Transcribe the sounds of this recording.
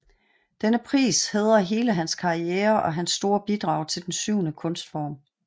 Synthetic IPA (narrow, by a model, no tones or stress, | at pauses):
d̥enəpʰʁḭːsheð̰ˠɐɦe̝ːləɦænskʰɑ̈ieːɐʔɒ̽ɦænsːd̥o̝ːɐb̥id̥ʁɑ̈ʊ̰t͡sʰe̝ld̥en̩syʊnəkʰɔ̽nsd̥fɒ̰ːm